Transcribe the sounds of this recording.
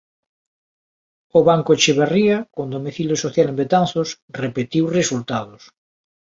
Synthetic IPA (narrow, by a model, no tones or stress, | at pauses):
oβaŋkot͡ʃeβeriakond̪omiθiljosoθjalembet̪anθos | repet̪iwresult̪aðos